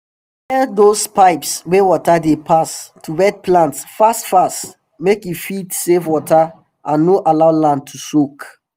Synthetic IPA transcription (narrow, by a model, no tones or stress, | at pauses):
ɛdospaɪpswɛwɔtadepʰastʰuɹɛd̚plãntsfastfast | mekjufitsevwɔtʰa | ʔãnːoʔalaʊlãnd̚tʰusok